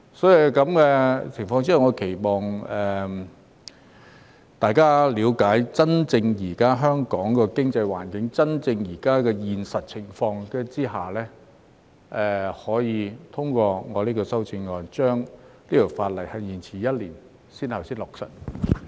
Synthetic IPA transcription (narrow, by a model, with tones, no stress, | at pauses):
sɔː˨˥ji˨kɐ˨˧˥mkɛ˧t͡sʰɪ˨˩ŋfɔː˧ŋt͡si˥˨wŋɔː˨˧kʰe˨˩jmɔː˨˩ŋɛː˨˩ | t̪aː˨jkaː˥liː˨˧wkaː˨˥jt͡sɐ˥nt͡sɪ˧ŋjiː˨˩kaː˥ɦœː˥ŋkɔː˨˥ŋkɔː˧kɪ˥ŋt͡sɐ˧jwa̰ː˨˩nkɪ˨˥ŋt͡sɐ˥nt͡sɪ˧ŋjiː˨˩kaː˥kɛː˧jiː˨nsɐ˨t̚t͡sʰɪ˨˩ŋfɔː˧ŋkɛ˧t͡siː˥ɦaː˨˩lɛː˥ | ʔɛː˨hɔː˨˥jiː˨˧t̪ʰʊ˥ŋkʷɔː˧ŋɔː˨˧liː˥kɔː˧sɐ˥wt͡si˧ŋŋːɔː˨nt͡ʃœː˥ŋliː˥t̪o˨˩faː˧t̚lɐ˨˩jhɐ˨jjiː˨˩nt͡sʰiː˨˩jɐ˥t̚liː˨˩n | siː˥nhɐ˨wsiː˥nlɔː˨˩k̚sɐ̰˨˩t̚